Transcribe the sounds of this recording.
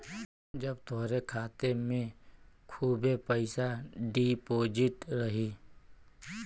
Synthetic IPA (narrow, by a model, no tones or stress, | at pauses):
d͡ʒɐbt̪ʊɦɾekʰaːt̪emẽkʰuːbepəɪsaɖipoːd͡ʒɪʈɾɐɦi